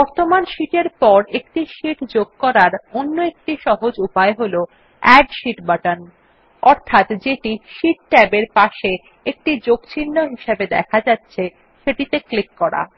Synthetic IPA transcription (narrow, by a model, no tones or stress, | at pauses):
bɔɾt̪omanʃiʈeɾpɔɾekʈiʃiʈd͡ʑoɡ̚kɔɾaɾonːoek̚ʈiʃɔɦod͡ʑupaeɦolo | ɛɖʃiʈbaʈan | ɔɾt̪ʰat̪d͡ʑeʈiʃiʈ̚ʈɛbeɾpaʃe | ek̚ʈid͡ʑoɡt͡ɕʰinːoɦiʃebed̪ɛ̰kʰad͡ʑatːɕʰe | ʃeʈit̪eklikːɔɾa̰